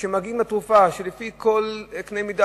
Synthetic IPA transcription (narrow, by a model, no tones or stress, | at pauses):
ʃemaɡimlatʁufaʃelefiko̞lknejmida